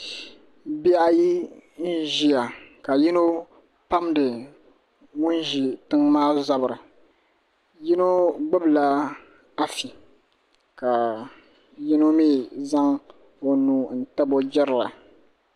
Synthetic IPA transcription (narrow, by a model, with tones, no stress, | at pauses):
bi˦a˦ji˦n̩˦ʒi˦ja˨ka˨ji˦no˦ | pa˦mdɨ˨ | ŋʊ˦n˦ʒi˨tɨ˦ŋmaː˦za˨bɨ˨ɾɨ˨ | ji˦no˦ɡ͡bɨ˦bla˦ | a˦fi˨ | ka˨ | ji˦no˦miː˦za˦ŋ | o˨nuː˦n̩˦ta˦bo˦d͡ʒɛ˦ɾɨ˨la̰˨